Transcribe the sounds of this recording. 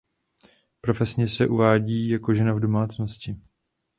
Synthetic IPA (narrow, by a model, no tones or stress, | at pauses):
pɾo̞fɛsɲɛsɛʔuvaːɟiːjako̞ʒɛnavdo̞maːt͡sno̞scɪ